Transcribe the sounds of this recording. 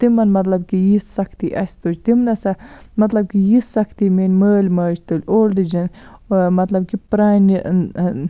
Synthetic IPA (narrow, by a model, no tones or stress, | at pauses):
t̪imɐnmɐt̪lɐb̚kijisːɐkʰt̪iʔɐsʲt̪ud͡ʒt̪imnɐsɐmɐt̪lɐb̚kijisːɐkʰt̪imenʲməːlʲmaːd͡ʒt̪ulʲoːlɖɨd͡ʒɐnmɐt̪lɐb̚kipɾaːni